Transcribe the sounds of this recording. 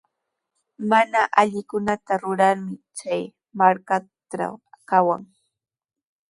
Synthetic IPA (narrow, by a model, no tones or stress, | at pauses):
manaʔaʎɪkʊnat̪aɾʊɾaɾmɪt͡ʃaj | maɾka | ʈ͡ʂa̰wkawa̰ŋ